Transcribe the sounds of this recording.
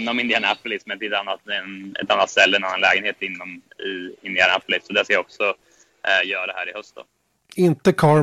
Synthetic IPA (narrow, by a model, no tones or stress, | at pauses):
nːɔmɪnd̪ɪanæplɪsmɛnt̪ɪɛt̪anːat̪ɛnɛ̰t̪anːat̪sɛlːɛnanːanlɛːɡənheːt̪ɪnːɔmɪɪnd̪ɪanæplɪsɔd̪ɛskajaɔksɔ | jœːɾaɾɛhæ̰ːɾɪhœst̪̚d̪ɔ̰ | ɪnt̪əkʰɑː